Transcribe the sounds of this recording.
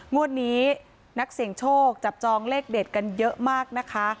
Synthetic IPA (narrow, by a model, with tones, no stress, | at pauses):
ŋu˥˩ənːiː˦˥ | na˦˥k̚si˩˦ŋt͡ɕʰoː˥˩k̚t͡ɕa˨˩p̚t͡ɕɔː˧ŋleː˥˩k̚deː˨˩t̪̚ka˧njɤ˦˥ʔmaː˥˩k̚na˦˥kʰa˦˥